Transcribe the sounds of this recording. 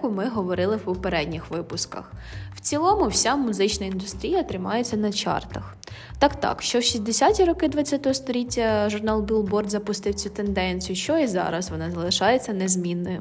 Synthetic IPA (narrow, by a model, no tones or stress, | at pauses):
kʊmɪɦɔʋɔɾɪlˠɪwpɔpeɾɛdʲnʲixʋɪpʊskɐ̰xw̥t͡sʲilˠɔmʊwsʲamʊzɪt͡ʃnɐind̪ʊst̪ɾʲijɐt̪ɾɪmɑjet͡sʲːɐnɐt͡ʃɑ̰rt̪ɐx | t̪ɑkt̪ɑ̰kʃt͡ʃɔwʃizʲd̪esʲatʲiɾɔkɪd̪ʋɐt͡sʲːat̪ɔɦɔst̪ɔlʲitʲːɐʒʊrnɑlˠbʲilˠbɔrd̪zɐpʊst̪ɪwt͡sʲut̪end̪ɛnʲt͡sʲijʊʃt͡ʃɔizɑ̰ɾɐsʋɔnɑzɐlˠɪʃɑjet͡sʲːɐnezmʲinːɔ